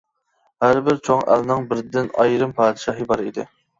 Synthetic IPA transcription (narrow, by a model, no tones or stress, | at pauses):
hæɾbɪɾt͡ʃʰoŋʔæ̰lnɨŋbɪɾd̪ɪnɑ̰jɾɨmpʰɑːd̪ɪʃɑɦɨbɑɾid̪ɪ̰